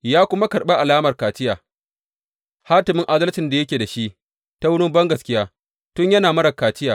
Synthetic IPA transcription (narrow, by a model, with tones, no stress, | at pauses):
jaː˦kʷʊ˦ma˦kɐ˨rɓe˦ʔa˨laː˦mɐ˨rkaː˨tɪ˦jaː˨ | ha˦tɪ˨mɪ˦ŋʔa˦dɐ˦lt͡ʃɪ˨nda˨jɐ˦kʲeː˨da˨ʃi˦ʔ | ta˦wʊ˦ɽʊ˦mbɐ˦ŋɡɐ˨skʲɪ˦jaː˦ | tʊ˦ɲjɐ˦naː˨mɐ˦ɽɐ˨kaː˨t͡ʃɪ˦jaː˨